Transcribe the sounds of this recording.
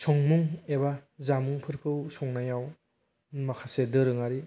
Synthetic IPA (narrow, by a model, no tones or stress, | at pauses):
sʰɔŋmuŋebazamuŋpʰɯɾkʰɯwsɔŋnajaw | makʰasedɯɾɯŋaɾi